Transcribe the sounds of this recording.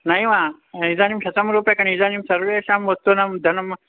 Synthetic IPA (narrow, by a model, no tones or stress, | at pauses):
nɐjʋa | izaːnimʃɐt̪ɐmɾuːpjɐkɐɳizanimsɐɾʋeːʃamʋɐt̪ːunɐmd̪ʱɐnɐm